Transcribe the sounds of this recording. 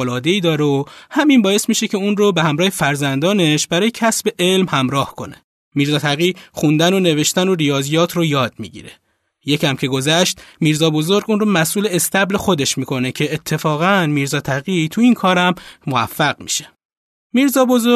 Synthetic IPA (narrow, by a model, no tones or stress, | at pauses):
olɒːd̪e̞iːd̪ɒːɾeohæminbɒːje̞smiːʃecʰeunrobeɦæmɾɒːhe̞fæɾzænd̪ɒːne̞ʃbæɾɒːjecʰæsbe̞ʔe̞lmhæmɾɒːhkʰo̞̰ne̞̥̰ | miːɾzɒːt̪ʰæɣixund̪æno̞ne̞ve̞ʃt̪ænoɾijɒːzijɒːt̪ʰrojɒːd̪̚mḭɟḭɾe̞ | je̞cʰæmcʰe̞ɡo̞zæʃt̪miːɾzɒːbo̞zo̞ɾɡuːnromæsʔuːleːst̪æble̞xo̞d̪e̞ʃmiːkʰo̞necʰe̞ːt̪ʰːe̞fɒːɣænmiːɾzɒːt̪ʰæɣit̪ʰuinkʰɒːɾæmːoæ̰fːæɣmḭʃe̥ | miːɾzɒːbozo